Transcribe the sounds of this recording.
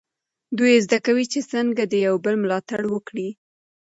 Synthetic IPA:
d̪ujezd̪akawit͡ʃesəŋɡad̪əjawbəlmlɑt̪aɽwəkɽi

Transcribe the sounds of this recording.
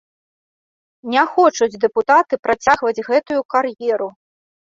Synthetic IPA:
nʲɛxɔt͡ʂud͡zʲd̪ɛput̪at̪ɨpɾʔat͡sʲaɣvɐd͡zʲɣɛt̪ujukarjɛɾu

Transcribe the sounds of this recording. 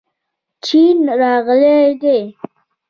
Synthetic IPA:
t͡ʃinɾɑɣled̪e

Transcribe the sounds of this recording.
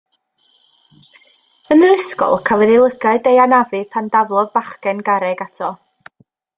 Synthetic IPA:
ənrɪskɔ̰lˠkʰalˠwɛðilˠəɡaɨdejanavɨpʰandavlˠɔðbaχkɛnɡaɾɛɡatʰɔ

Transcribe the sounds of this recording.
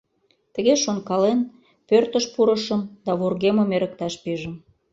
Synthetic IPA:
t̪ə̆ɣeʃonkɑlen | pørt̪əʃpuɾəʃə̆md̪ɑβorɣemə̆meɾə̆k̚t̪ɑʃpiʒə̆m

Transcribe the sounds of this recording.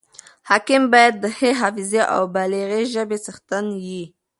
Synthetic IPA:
hakɪmbɑjad̪̚ːəheɦafɪzeʔa̰wbaleɣeʒəbesəxt̪anji

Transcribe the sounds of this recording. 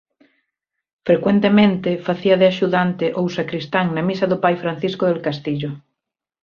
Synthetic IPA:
fɾekwent̪emẽnt̪ɪfaθiɐðɪaʃuðant̪ɪʔowsakɾist̪aŋnɐmisɐðʊpajfɾan̟θiskʊðelkast̪iʎʊ

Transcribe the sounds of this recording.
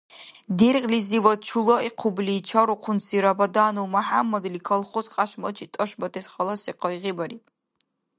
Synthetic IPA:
d̪irqʼlizivɐt͡ʃʰulɔiqʰubliːt͡ʃʰaɾuqʷʰʊnsiɾabɐd̪aːnuwmaħamːɐd̪likʰɐlˠχɔsqʼaʃmɐt͡ʃʰit̪ʼɐʃbɐt̪ʰɛsχɐlˠɐsiqʰɔiʁibɐɾitʼ

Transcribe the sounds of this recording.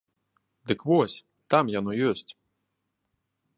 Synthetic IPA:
d̪ɨkvɔsʲ | t̪amjanɔjɔsʲt͡sʲ

